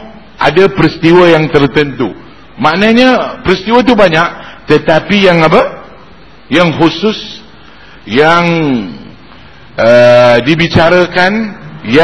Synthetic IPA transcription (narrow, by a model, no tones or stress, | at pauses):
ʔa̰dapɾist̪iwəjaŋt̪ərt̪ənt̪u | maʔnəɲəpɾist̪iwət̪̬ubaɲaʔt̪ət̪apijaŋapə | jaŋɦusʊs | jaŋ | ʔədibit͡ʃaɾakanja